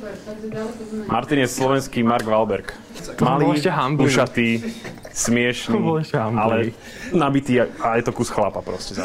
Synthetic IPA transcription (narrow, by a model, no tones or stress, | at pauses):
mʔaɾt̪iɲɛsslɔʋɛnskiːmaɾɡʋalbɛɾk | maliɛɛɦambuʃat̪iː | smɪɛʃnbɔlɛʃcɛɦamalɛ | nabit̪iːaajɛt̪ɔkusxlapapɾɔscɛza